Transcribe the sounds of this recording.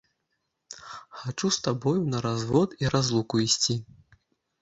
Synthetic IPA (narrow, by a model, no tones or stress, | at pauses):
xat͡ʂust̪abɔjunɐɾazvɔt̪iɾʔazlˠukuisʲt͡sʲi